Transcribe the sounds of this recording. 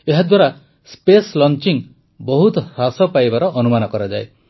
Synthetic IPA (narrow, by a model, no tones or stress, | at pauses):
eɦad̪waɾa | speslɔnt͡ʃiŋ | bɔɦut̪ɔɾasɔpajbaɾɔʔɔnumanɔkɔɾad͡ʒae